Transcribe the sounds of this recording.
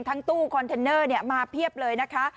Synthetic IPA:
ŋt̪ʰa˦˥ŋt̪uː˥˩kʰɔ˧nt̪ʰe˧nːɤː˥˩ni˥˩əmaː˧pʰi˥˩əp̚lɤː˧jna˦˥kʰa˦˥

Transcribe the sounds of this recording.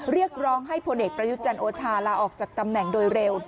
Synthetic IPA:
ɾi˥˩ək̚ɾɔː˦˥ŋɦa˥˩jpʰo˧nʔeː˨˩k̚pɾa˧ju˦˥t̪̚t͡ɕa˧nʔoː˧t͡ɕʰaː˧laː˧ʔɔː˨˩k̚t͡ɕaː˨˩k̚t̪a˧mnɛ˨˩ŋdoː˧jɾe˧w

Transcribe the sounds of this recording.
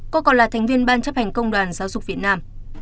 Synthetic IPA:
kɔ˧kɔ̰˨nlaː˨˩t̪ʰɛ˨˩ŋ̟vi˧ənɓaː˧nt͡ɕə˦˥p̚hɛ˨˩ŋ̟kə˧wŋ͡mɗwaː˨˩nzaː˨˦wzʊ˨˩k̚vi˨˩ət̚naː˧m

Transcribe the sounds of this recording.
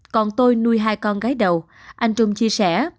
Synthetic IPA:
kɔ˨˩nt̪o˧jnu˧əjɦaː˧jkɔ˧nɣaː˨˦jɗə˨˩w | ʔa˧jŋ̟t͡ɕʊ˧ŋ͡mt͡ɕi˧əsɛ˧˩˨

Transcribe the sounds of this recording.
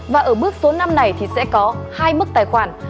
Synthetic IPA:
vaː˨˩ʔəː˧˩ɓɨ˦˥ək̚so˨˦na˧mna˨˩jt̪ʰi˨˩sɛ̰˧˥kɔ˨˦haː˧jmɨ˦˥k̚t̪aː˨˩jxwaː˧˩n

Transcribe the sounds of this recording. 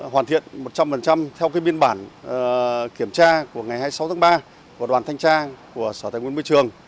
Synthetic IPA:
ɦwaː˨˩t̪ḭ˧˨ənmo˨˩t̚t͡ɕa˧mfə˨˩nt͡ɕa˧mt̪ʰɛ˧wkaː˨˦jɓi˧ənɓaː˧˩n | ki˧˩əmt͡ɕaː˧ku˧˩əŋa˨˩jhaː˧jsa˨˦wt̪ʰaː˨˦ɓaː˧ | ku˧˩əɗwaː˨˩nt̪ʰa˧ŋ̟t͡ɕaː˧ku˧˩əsɔː˧˩t̪aː˨˩jŋwnm˧t͡ɕɨ˨˩əŋ

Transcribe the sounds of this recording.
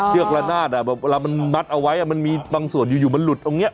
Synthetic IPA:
lɯ˥˩ək̚laː˧naː˥˩t̪̚ʔa˨˩bɛː˨˩p̚eː˧laː˧ma˧nma˦˥t̪̚ʔa˧wa˦˥jʔa˨˩ma˧nmiː˧baː˧ŋsu˨˩ənjuː˨˩juː˨˩ma˧nlu˨˩t̪̚ʰːo˧˩ŋni˦˥ʔ

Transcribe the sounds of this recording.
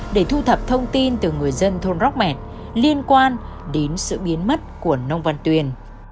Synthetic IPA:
ɗe˧˩t̪ʰu˧t̪ʰə˨˩p̚t̪ʰə˧wŋ͡mt̪i˧nt̪ɨ˨˩ŋɨ˨˩əjzə˧nt̪ʰo˧nzɔ˦˥k͡p̚mɛ˨˩t̚ | li˧ənkwaː˧n | ɗe˨˦nsɨ̰˧˨ɓi˨˦ənmə˦˥t̚ku˧˩ənə˧wŋ͡mva˧nt̪wi˨˩ən

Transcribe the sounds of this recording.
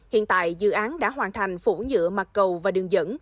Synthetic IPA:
hḭ˧˨ənt̪a̰ː˧˨jzɨ̰˧˨ʔaː˨˦nɗa̰ː˧˥ɦwaː˨˩nt̪ʰa˨˩jŋ̟fu˧˩zɨ̰˧˥əma˨˩t̚kə˨˩wvaː˨˩ɗɨ˨˩əŋzə̰˧˥n

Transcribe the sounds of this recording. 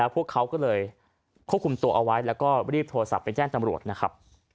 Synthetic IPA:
lɛː˦˥wpʰu˥˩əkʰːa˦˥wkɔː˥˩lɤː˧j | kʰu˥˩p̚kʰu˧mt̪u˧ɐʔa˧wa˦˥jlɛː˦˥wkɔː˥˩ɾiː˥˩p̚t̪ʰoː˧ɾa˧sa̰˨˩pːe˧nt͡ɕɛː˥˩ŋt̪a˧mɾu˨˩ət̪̚na˦˥kʰa˦˥p̚

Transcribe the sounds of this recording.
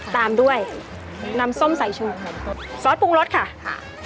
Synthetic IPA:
t̪aː˧mdu˥˩əj | na˧mso˥˩msa˩˦jt͡ɕʰu˧˩ | sɔː˨˦t̪̚puː˧k̚ɾo˦˥t̪̚kʰa˥˩

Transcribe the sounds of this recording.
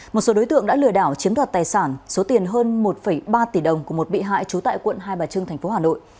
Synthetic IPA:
mo˨˩t̚so˨˦ɗo˨˦jt̪ɨ̰˧˨əŋɗa̰ː˧˥lɨ˨˩əɗaː˧˩wt͡ɕi˨˦əmɗwaː˨˩t̚t̪aː˨˩jsaː˧˩nso˨˦t̪i˨˩ənɦəː˧nmo˨˩t̚fə˧˩jɓaː˧t̪i˧˩ɗə˨˩wŋ͡mku˧˩əmo˨˩t̚ɓḭ˧˨ɦa̰ː˧˨jt͡ɕu˨˦t̪a̰ː˧˨jkwə̰˧˨nɦaː˧jɓaː˨˩t͡ɕɨ˧ŋt̪ʰɛ˨˩jŋ̟fo˨˦haː˨˩no̰˧˨jʔ

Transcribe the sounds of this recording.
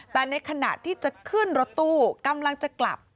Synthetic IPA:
t̪ɛː˨˩na˧jkʰa˧na̰ː˨˩t̪ʰːiː˥˩t͡ɕa˨˩kʰɯ˥˩ənɾo˦˥t̪ːuː˧˩ka˧mla˧ŋt͡ɕa˨˩kla̰˨˩p̚

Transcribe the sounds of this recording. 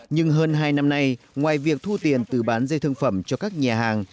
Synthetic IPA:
ɲɨ˧ŋɦəː˧nɦaː˧jna˧mna˧jŋwaː˨˩jvi˨˩ək̚t̪ʰu˧t̪i˨˩ənt̪ɨ˧˩ɓaː˨˦nzə˧t̪ʰɨ˧ŋfə˧˩mt͡ɕɔ˧kaː˦˥k̚ɲaː˨˩ɦaː˨˩ŋ

